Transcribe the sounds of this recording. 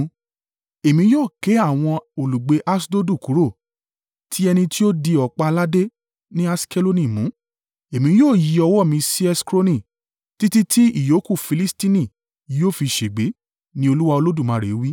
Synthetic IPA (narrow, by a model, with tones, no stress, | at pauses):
e˨mĩ˧˦joː˦˨ke˨˦a˦˨w̃ɔ̃˧o˨lu˨ɡ͡be˧˦ʔa˦sdo˦du˦˨ku˨˦ɾo˦˨ | tʰi˦ɛ˧nĩ˧ti˦o˦di˧ɔ˨k͡pa˧la˦de˦ | nĩ˦a˦ske˦lo˦nĩ˦˨mũ˨˦ | e˨mĩ˧˦joː˦˨ji˨˧ɔ˧wɔ˦˨mĩ˧si˦ɛ˦skɾo˦nĩ˦˨ | ti˦ti˦ti˦ḭ˦˨jo˨˦ku˦˨fi˧li˦sti˦nĩ˦˨ | joː˦˨fi˧ʃe˨ɡ͡be˨˦ | nĩ˦o˧lu˦wa˧o˧lo˦du˦˨mã˨˦ɾe˨˦wi˦